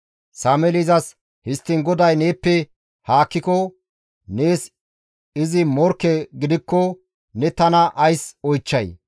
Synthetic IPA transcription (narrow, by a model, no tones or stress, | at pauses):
saːmɛlɪzɐs | hɪst̪ːɪnɡɔd̪ɐjne̞ːpːɛ | haːkːɪkɔ | neːs | ɪzɪmɔɾkːɛɡɪd̪ɪkːɔ | nɛt̪ɐnɐʔɐjsɔjt͡ʃːɐj